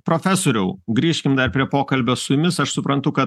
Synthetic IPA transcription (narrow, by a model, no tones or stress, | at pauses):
pɾoːfʲæsoːɾʲɛʊɡɾʲiːʃʲkʲɪmd̪ɐrpʲɾʲiɛpoːkɐlʲbʲoːsʊjʊmʲɪsɐʃsʊpɾɐnt̪ʊkɐt̪